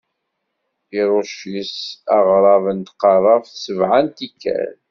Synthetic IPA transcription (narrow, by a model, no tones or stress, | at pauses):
iɾˤʊʃisɑʁɾˤɑvənt̪qɑrˤɑvθsəvʕant̪ikːæ̰l